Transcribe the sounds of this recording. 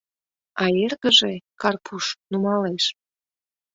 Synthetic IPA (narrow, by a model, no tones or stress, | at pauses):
ɑerɣəʒekɑrpʰuʃnumɑleʃ